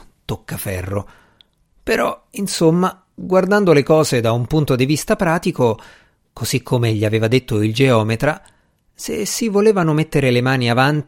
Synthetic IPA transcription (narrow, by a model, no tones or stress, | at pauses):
t̪okːafɛrːo̰ | peɾɔinsomːa | ɡward̪and̪olekɔːzed̪aumpunt̪od̪ivist̪apɾaːt̪iko | koz̥ikʰːomeʎːiaveːvad̪et̪ːoild͡ʒeɔːmet̪ɾa | sḛsːivoleːvanomet̪ːeɾelemaːniavant̪